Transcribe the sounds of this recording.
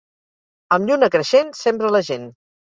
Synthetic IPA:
əmʎunəkɾəʃensɛmbɾələʒen

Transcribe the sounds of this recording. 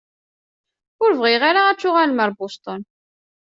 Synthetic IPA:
ʊɾvʁɪʁaɾaæt͡sːʊʁælməɾˤbʊst̪ˤon

